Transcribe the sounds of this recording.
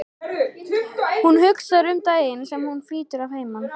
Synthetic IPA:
hunhʏksaɾʏmt̪aːjɪnsɛmhunfliːt̪ʏɾav̥heːjman

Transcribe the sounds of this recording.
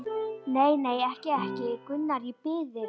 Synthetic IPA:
neːjneːjɛhcɪɛhcɪkʏnːaɾipɪːðɪ

